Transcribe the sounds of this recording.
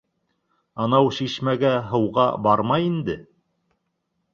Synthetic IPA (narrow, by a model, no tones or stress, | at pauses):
ɑnɑwʃiʃmæɡæɦɤ̆wʁɑ̰bɑɾmɑjind̪ɘ